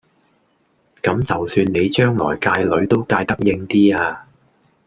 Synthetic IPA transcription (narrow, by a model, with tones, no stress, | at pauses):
kɐ˨˥mt͡sɐ˨wsyː˧nne˨˧jt͡ʃœː˥ŋlɔ̰ː˨˩jkaː˧jlɵ˨˥ɥt̪o˥wkaː˧jt̪ɐ˥k̚jɪ˧ŋt̪iː˥aː˧